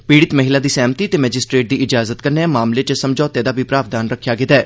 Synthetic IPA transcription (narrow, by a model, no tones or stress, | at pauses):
piːɽɪt̪məɦɪlaːd̪iːsɛ̃ːmt̪iːət̪eːmɛːd͡ʒɪsʈɾeːʈ̚d̪iːʔɪd͡ʒaːzət̪kəɾneːɛmaːmlet͡ʃsəmd͡ʒɔːt̪eːd̪aːbipɾaːʋd̪aːnɾəkʰːjaːɡɪt̪aɛː